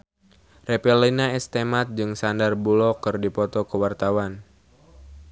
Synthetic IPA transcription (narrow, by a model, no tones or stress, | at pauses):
rɛpɛlinaɛst̪emat̪̚d͡ʒɨŋsandarbulɔkɨrdipɔt̪ɔkəwart̪awan